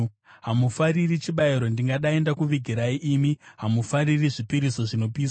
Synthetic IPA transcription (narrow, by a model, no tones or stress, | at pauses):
ɦamufaɾirit͡ʃiɓaiɾo̞ndiŋɡaɗae̞ndakuʋiɡʱiɾaiʔːmiɦamufaɾiriʐipiɾiso̞ʐino̞piːs